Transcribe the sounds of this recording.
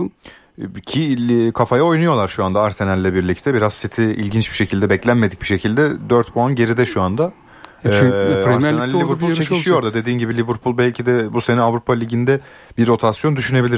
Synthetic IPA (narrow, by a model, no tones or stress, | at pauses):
cʰikʰafajao̞jnujo̞lˠaɾʃuand̪aːɾse̞nælʲːɛbiɾlʲict̪ʰɛbiɾazsit̪ʰiḭlʲɟint͡ʃbiʃe̞cʰilʲd̪ɛbɛclʲænmed̪ic̚biʃe̞cʰilʲd̪ɛd̪øɾt̪buanɟe̞ɾid̪ɛʃuand̪a | aɾenalʲːivɯɾpʰult͡ʃʰeciʃijo̞ɾd̪ad̪e̞d̪iːnɟibilʲivɯɾpʰulˠbælʲcʰid̪ɛbuse̞nɛavɾupʰalʲiɟind̪ɛ | biɾo̞t̪ʰasjo̞nd̪yʃyne̞bilʲiɾ